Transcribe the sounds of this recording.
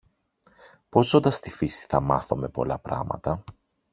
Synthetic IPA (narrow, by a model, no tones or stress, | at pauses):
po̞zo̞nd̪ɐst̪ifisi̥θɐmɐθome̞po̞̰lɐpɾɐ̰mɐ̰t̪ɐ